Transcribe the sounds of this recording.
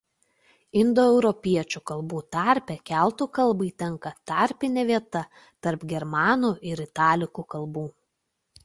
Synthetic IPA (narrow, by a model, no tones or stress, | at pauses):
ɪnd̪oɛʊɾɔpʲiɛt͡ʃʲukɐlˠbuːt̪ɑˑɾʲpʲɛkʲæˑlˠt̪uːˑkɐlˠˑbɐɪt̪ʲɛŋkɐt̪ɑɾʲpʲɪnʲɛːʋʲiɛt̪ɐ | t̪ɐɾpɡʲɛɾmɑːnuːʔɪɾɪt̪ɑːlʲɪkuːkɐlˠbuː